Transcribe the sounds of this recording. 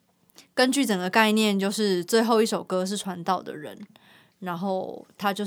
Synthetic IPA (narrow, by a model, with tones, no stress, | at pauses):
kə˦nt͡ɕy˥˨˩t͡sə˨˩ŋɡə˩ka˥˧ɪnjɛ˥˨nt͡ɕjo˥˧ʊʂɻ̩˥˧t͡swe˥˧ɪxo˥˧ʊi˥˩ʂo˨˩ʊkɤ˥ʂ̬ɻ̩˥˩ʈ͡ʂʰwa˧˦nt̪ɑ˥˩ʊd̪ə̰˨˩ɻə̰˧˦n | na˧˦nxo˥˩ʊt̪ʰa˥t͡ɕjo˥˧ʊ